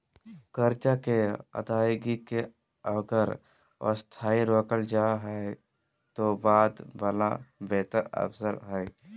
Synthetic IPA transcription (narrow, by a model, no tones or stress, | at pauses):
kəɾt͡ʃakeə̰d̪aːjɡike | əɡəɾ | ə̰st̪ʰaːiɾoːkəld͡ʒaːɦɛe | t̪obaːd̪ʋaːlabɛːt̪əɾə̰fsəɾɦɛ